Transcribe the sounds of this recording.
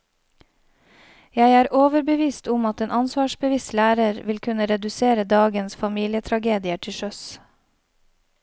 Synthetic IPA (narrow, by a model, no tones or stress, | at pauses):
jæɪæːɾʔoːʋəɾbəʋiːst̪ʊmɑt̪eːnʔɑnsʋɑːʃbəʋɪst̪læːɾəɾʋɪlkʰʉnəɾɛd̪ʉseːɾəd̪ɑːɡənsfɑmiːlɪət̪ʰɾɑɡeːd̪ɪəʈʰɪʃœs